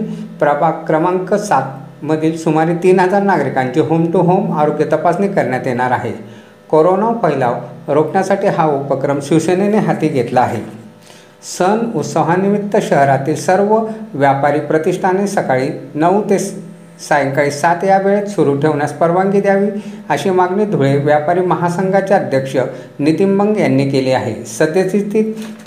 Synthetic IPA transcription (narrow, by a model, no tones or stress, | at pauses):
pɾəbʱakɾəmaŋkəsat̪məd̪ʱiːlsumaɾiːt̪iːnɦəd͡zaɾnaɡɾikãɲt͡ɕiːɦomʈuɦomaɾoɡjət̪əpasnikəɾɳjat̪jeɽ̃aɾaɦḛ | koɾonawpəɦilaʋɾokɳjasaʈiːɦaupəkɾəmɕiʋsəneneɦat̪iːɡʱet̪laːɦḛ | sənut̪səɦanimit̪ːəɕəɦɾat̪iːlsəɾʋəʋjapaɾiːpɾət̪iʂʈ̪ʰanesəkaɭiːnəwt̪es | sajŋkaɭiːsat̪jabeɭet̪suɾuːʈʰeʋɳjaspəɾʋaŋɡid̪jaʋiːəɕimaɡniːd̪ʱuɭeʋjapaɾiːməɦasəŋɡʱat͡ɕjaəd̪ʱjəkʂə | nit̪imbəŋɡjanːiːkeleaɦḛsəd̪jet͡sit̪iːt̪